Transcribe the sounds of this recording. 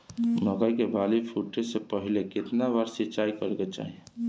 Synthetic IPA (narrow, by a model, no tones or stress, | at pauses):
məɡəjkebalipʰuʈesepəɦileket̪nabaɾsit͡ʃajkəɾket͡ʃa̰ɦi